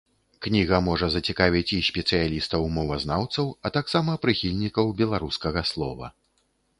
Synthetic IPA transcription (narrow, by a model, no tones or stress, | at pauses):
knʲiɣɐmɔʐɐzɐt͡sʲikavʲit͡sʲisʲpʲɛt̪sɨjalʲist̪ɐwmɔvɐznawt̪sɐwɐt̪aksamɐpɾɨxʲilʲnʲikɐwbʲɛlˠaɾuskɐɣɐslˠɔ̰vɐ̰